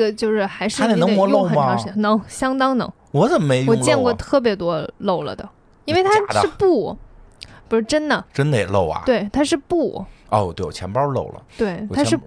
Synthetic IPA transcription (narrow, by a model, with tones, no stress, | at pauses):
ə˨˩t͡ɕjo˥˧ʊʂɻ̩˥˩xa˧˥ɪʂɻ̩˥˨˩n˧˥mwɔ˧˥lxə˨˩ɑ˧˥ɕi˥nɤ˧˥ŋɕjɑ˥ŋt̪ɑ˥ŋnɤ̰˧˥ŋ | wɔ˨˧˥t͡sə˨˩mme˧˥ɪʊwɔ˨˩˧ŋt͡ɕjɛ˥˧nkwɔ˥˧t̪ʰɤ˥˩p̬jɛ˧˥t̪wɔ˥lo˥˩ʊlə̰˩d̪ə̰˩ | i˥nwe˥˩ɪt̪ʰaa˥ɻ̩˥˧pu˥˩ | pu˧˩ʂɻ̩˥˩ʈ͡ʂə˥nd̪ə˨ʈ͡ʂə˥nd̪ə˨jɛ̰˨˩lo˥˧˩ʊɐ̰˨˩twe˥˩ɪt̪ʰa˥ʂɻ̩˥˧pu˥˩ɔ̰˥˧˩wɔ˨˩t̪we˥˩wɔ̰˨˩t͡ɕʰjɛ˧˥npɐ˥lo̰˥˩ʊlə̰˩t̪we˥˩ɪt̪ʰa˥ʂ̩ɻ